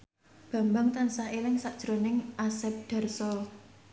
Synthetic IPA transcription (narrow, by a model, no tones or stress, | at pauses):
b̥ä̤mbaŋt̪ansahelɪŋsaʔd̥ʒ̥ɾonɪŋʔasɛp̚ɖ̥a̤rsɔl